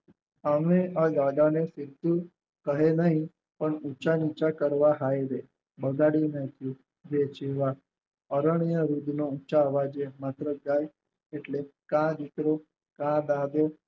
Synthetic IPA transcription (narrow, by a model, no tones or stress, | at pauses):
amead̪ad̪anesɪɾd̪ũ | kəɦenəɦĩ | pəɳut͡ʃanit͡ʃakəɾʋaɦajɾe | bəɡaɽinət̪ʰjũ | d͡ʒet͡ʃeʋa | əɾəɳ̃ijəɾud̪nout͡ʃaːʋad͡ʒemat̪ɾəɡaj | eʈlekãd̪it̪ɾo | kãd̪ad̪e